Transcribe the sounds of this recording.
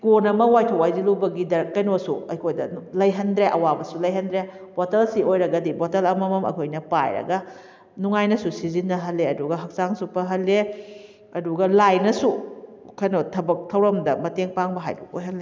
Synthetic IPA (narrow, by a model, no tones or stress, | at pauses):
konɐmɐwajtʰɐwajzilubɐɡidɐɾɐkːɐjnosṵɐ̰jkʰojdɐlɐjɦɐndɾeʔɐwabɐsulɐjɦɐndɾe | b̥otɐlsiojɾɐɡɐdibotɐlɐmɐmɐmɐ̰kʰojnɐpa̰jɾɐ̰ɡɐ | nuŋajnɐsusizinːɐɦɐlːeɐduɡɐɦɐk̚saŋsupɐɦɐlːe | ɐduɡɐlajnɐsukʰɐjnotʰɐbɐk̚tʰɐwɾɐmdɐmɐteŋpaŋbɐɦa̰jdṵkojɦɐnle